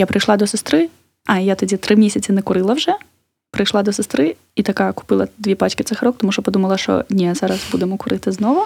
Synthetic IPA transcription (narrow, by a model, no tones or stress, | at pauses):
japɾɪjʃlˠad̪ɔsɪst̪ɾɪ | ɐjat̪ɔdʲit̪ɾɪmʲisʲɐt͡sʲɪnɛkʊɾɪlˠɐwʐɛ | pɾɪjʃlˠad̪ɔsest̪ɾɪ | it̪ɐkakʊ̥pɨlˠɐd̪ʲʋʲipat͡ʃkɪt̪sɪxɐɾɔk̚t̪ɔmuʃɔpɔd̪umɐlˠɐʃt͡ʃɔ̰nʲɛzaɾɐsbud̪emɔkʊɾɪt̪ɪznɔʋʊ